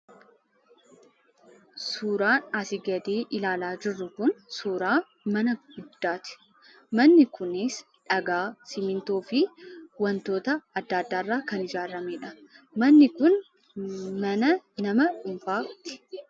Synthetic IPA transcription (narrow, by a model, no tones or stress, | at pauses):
suːɾaːnɐsɪɡɐd̪eːʔɪlaːlaːd͡ʒɪrːʊkʊnsuːɾaː | mɐnɐɡ̥ʊd̪ːaːt̪ɪ̥ | mɐnːɪkʊnɪs | ᶑɐɡaːsɪmɪnt̪oːfɪwɐnt̪o̞ːt̪ɐɐd̪ːaːd̪ːaːɪrːaːkɐnɪd͡ʒaːɾːɐmeːᶑɐ | mɐnːɪkʊn | mɐnɐnɐmɐᶑʊmfaːt̪ɪ̥